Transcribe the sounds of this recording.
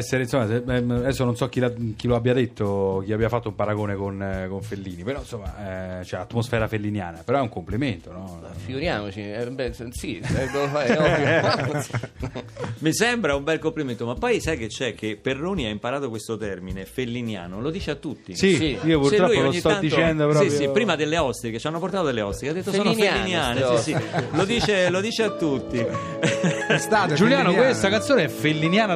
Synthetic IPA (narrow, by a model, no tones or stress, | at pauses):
ɛsːeɾeinsomːaseɛdɛsːononsɔk̟ːilak̟iloabːjad̪et̪ʰːok̟iabjafat̪ːoumpaɾaɡoːnekonkoɱfelːiːnipeɾɔinsomːa̰ɛt͡ʃoɛat̪mosfɛːɾafelːinjaːnapeɾɔɛuŋkompliment̪onɔ | fiɡuɾjaːmot͡ʃibɛsiɛɡoɛɔj | misɛmbɾaumbɛlkompliment̪omapːɔjsajk̟et͡ʃːɛk̟ʰːepːerːoːniaimpaɾaːt̪okwest̪ot̪ɛrminefelːinja̰ːnolod̪iːt͡ʃeat̪ːut̪ːḭsiiiːopuɾt̪ɾɔujpolɲːit̪ɔand̪it͡ʃ̪ɛnd̪opɾɔiɾsipːɾiːmad̪elːeɔst̪iket͡ʃːanːopoɾrt̪aːt̪od̪elːeɔst̪iead̪et̪ːosoːnofelaːinjaːnesisilod̪iːt͡ʃelod̪iːt͡ʃeat̪ːut̪ːi | ɛst̪ad͡ʒuljaːnokwest̪akant̪soːnɛfelːinjaːna